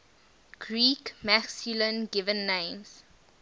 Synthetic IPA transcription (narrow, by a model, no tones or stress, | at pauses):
ɡ̥ɹiːkmæksilə̃nɡɪvə̃nːẽɪ̃ms